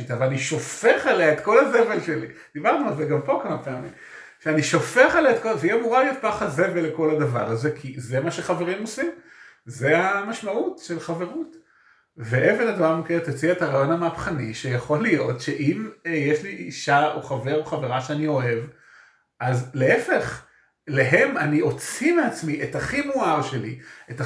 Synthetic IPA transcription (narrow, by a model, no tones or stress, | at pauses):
it̪avlaniʃo̞feχaleaet̪ko̞laze̞ve̞lʃe̞lid̪̥ibaʁtnualzeɡampo̞kamapeamḭm | ʃeaniʃo̞feχaleet̪koveiamuʁalijot̪̚paχaze̞veleko̞ladava̰ʁaze̞kʰizemaʃeχaveʁimosimzeamaʃmautʃelχave̞ʁut | veʔevenadmamket̪ot͡siaetaʁaːjo̞nameapχaniʃejaχo̞lijo̞tʃe̞ʔimjeʃliʔiʃaoχave̞ʁo̞χaveʁaʃeanio̞e̞v | azle̞efe̞χ | leɦe̞manio̞t͡simeat͡smiʔetaχimuaʁʃe̞liʔeta